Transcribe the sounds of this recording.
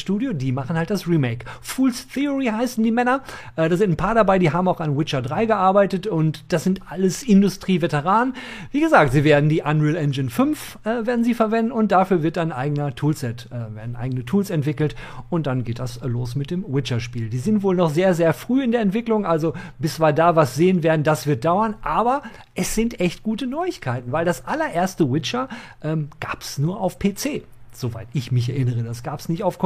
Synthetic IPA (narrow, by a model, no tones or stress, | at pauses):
ʃtuːdjodiːmaχn̩halt̚d̥asʁiːmeɪkfuːlsθiʊʁiːɦaɪsn̩diːmɛnɐʔɛːdaːzɪ̃ntn̩pʰaːɐɾabaɪdiːɦaːbmaʊxanwɪt͡ʃɐdʁaɪɡəʔaɐbaɪtətʊntd̥asz̥ɪntʔaləsɪndʊstʁ̥iːvetəʁ̞aːnviːɡəzaːk̚tz̥iːveːɐdn̩diːʔanuɪlɛnd͡ʒɪnfʏnf | ʔɛːveːɐdn̩ziːfɛɐvɛndn̩ʊnt̚d̥afyːɐvɪɐt̚d̥anʔa̰ɪɡənɐtʰuːlsɛtʔɛːveːɐdn̩ʔa̰ɪɡənətʰuːlsɛntv̥ɪkl̩tʔʊnt̚d̥anɡeːt̚d̥asloːsmɪt̚d̥eːmwɪt͡ʃɐʃpiːldiːzɪntv̥oːlnɔχzeːɐzeːɐfʁ̥yːɪndeːɐɛntv̥ɪklʊŋʔalzob̥ɪsvaːdaːvasz̥eːənveːɐdn̩d̥asv̥ɪɐt̚d̥aʊɐnʔaːbɐ | ʔɛsz̥ɪntʔɛçt̚ɡ̥uːtənɔʏɪçkʰaɪtn̩vaɪldasʔalɐʔeːɐstəwɪt͡ʃɐʔɛːmɡ̥aːpsnuːɐʔaʊfpʰeːt͡seː | z̥ovaɪtɪçmɪçɛɐʔɪnəʁədasɡ̥aːpə̥snɪçtaʊfkʰ